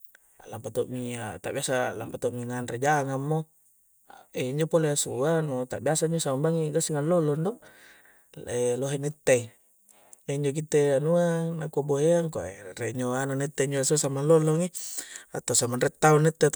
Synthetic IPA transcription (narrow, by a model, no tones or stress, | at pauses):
alampat̪oʔmiat̪a̰ʔbiasalampat̪oʔmiŋanred͡ʒaŋamːo | eiɲd͡ʒopoleasuanot̪aʔbiasaiɲd͡ʒosamambaŋiɡasiŋallolondo | eloɦenɛt̪ːei | eiɲd͡ʒok̬it̪eanuanakuaboɦeaŋka̰ʔereiɲd͡ʒoanonɛt̪ːeiɲd͡ʒoasusamanlolːoŋia̰t̪asamanret̪ːaunːɛt̪ːe